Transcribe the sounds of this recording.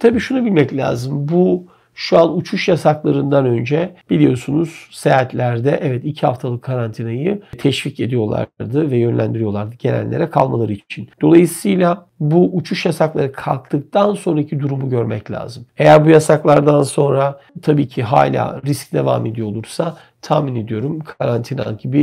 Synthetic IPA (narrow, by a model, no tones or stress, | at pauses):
t̪ʰabiːʃunubilʲmɛclʲa̰ːzɯmbu | ʃuanut͡ʃʰuʃjasaklˠaɾɯnd̪anø̞nd͡ʒɛb̥ilʲijo̞sunuz̥seat̪ʰlʲæɾd̪ɛʔɛvɛt̪icʰihaft̪ʰalˠɯkʰːaɾant̪ʰinajɯt̪ʰɛʃvice̞d̪ijo̞lˠa̰ɾd̪ɯvɛjønlʲæ̰nd̪iɾijo̞lˠaɾd̪ɯɟe̞næ̰nlːʲe̞ɾɛkʰa̰lˠmalˠaɾɯit͡ʃʰind̪̥o̞lˠajɯsɯjlʲa | buʔːt͡ʃʰuʃjasaklˠaɾɯkʰa̰lˠk̚t̪ɯk̚t̪ʰanso̞nɾacʰid̪uɾumuɟø̞ɾmɛ̰clʲa̰ːzɯme̞jæɾbujasaklˠaɾd̪anso̞nɾa | t̪ʰabiːcʰiɦa̰ːlʲa̰ːɾisc̚d̪e̞va̰ːme̞d̪ijolˠuɾsa | t̪ʰaːmine̞d̪ijo̞ɾumkʰaɾant̪ʰina̰ɟibɪ